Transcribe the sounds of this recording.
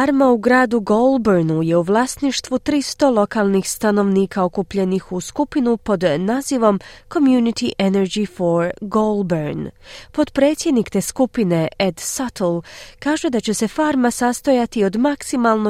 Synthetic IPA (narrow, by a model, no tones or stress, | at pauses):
aɾmauɡɾaːd̪uɡolˠbeɾnuje̞uʋlˠaːst̪niʃt̪ʋut̪ɾist̪o̞lo̞kalˠnixst̪ano̞ʋniːkao̞kupʎe̞nixuskupinupo̞d̪naːziʋo̞mko̞mjunit̪iʔeneɾd͡ʑifoɾɡolbeɾnpo̞d̪pɾe̞ːt̪sʲjed̪nikt̪e̞ːskupine̞ed̪sat̪lˠkaːʒed̪at͡ɕe̞se̞faːɾmasast̪ojat̪io̞d̪maksimalˠno